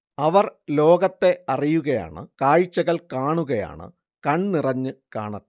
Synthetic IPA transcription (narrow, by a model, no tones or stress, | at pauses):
ɐʋɐrlo̞ːɡɐt̪ːe̞ɐrijuɣɐja̰ːɳɨ̰kaːjit͡ɕːɐɣɐɭkaːɳuɣɐja̰ːɳɨ̰ | kɐɳnirɐɲːɨkaːɳɐɾ